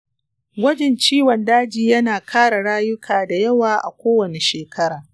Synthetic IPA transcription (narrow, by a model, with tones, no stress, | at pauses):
ɡʷɐ˦d͡ʒɛ˨nt͡ʃiː˦wɔ˨ndaː˦d͡ʒiː˨jɐ˦naː˨kʰaː˦ɽa˨ɽaː˦jʊ˦kʰaː˨da˨jɐ˦waː˨ʔa̰˨kʷoː˦wɐ˨ne˨ʃeː˨kʰɐ˦ɾaː˨